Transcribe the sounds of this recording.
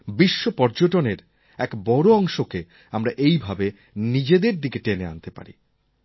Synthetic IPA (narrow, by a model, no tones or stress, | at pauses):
biʃːopɔɾd͡ʑoʈoneɾ | ɛkbɔɾoɔŋʃoke | amɾaʔejbʱabe | nid͡ʑed̪eɾd̪ikeʈenea̰nt̪epa̰ɾḭ